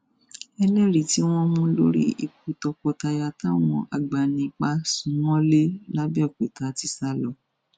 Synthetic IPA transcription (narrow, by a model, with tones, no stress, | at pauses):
ɛ˧lɛ˦˨ɾi˨ti˨˦w̃ɔ̃˦mũ˦lo̰˦ɾḭ˦i˧ku˦tɔ˧kɔ˧ta˧ja˧ta˦w̃ɔ̃˧ʔa˨ɡ͡ba˨nĩ˧k͡pa˧sũ˨˦w̃ɔ̃˦le˦la˦bi˦ɔ˦˨ke˨ta˨ti˧˦sa˦lɔ˧